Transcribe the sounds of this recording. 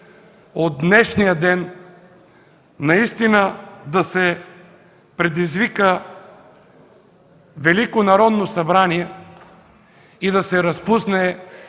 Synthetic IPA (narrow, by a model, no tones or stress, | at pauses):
od̪̚nɛʃnijəd̪ɛn | ɐist̪inəd̪ɐsɛ | pɾɛd̪izvikə | vɛlikonɐɾɔd̪nosɐbɾaniɛ | id̪ɐsɛɾɐspusnɛ